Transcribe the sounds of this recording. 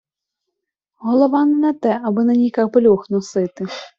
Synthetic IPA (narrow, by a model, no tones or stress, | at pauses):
ɦɔlˠɔʋɑnɛnɛt̪ɛʔɐbɪnɐnʲikɑkbɔlʲuxnɔsɪt̪ɪ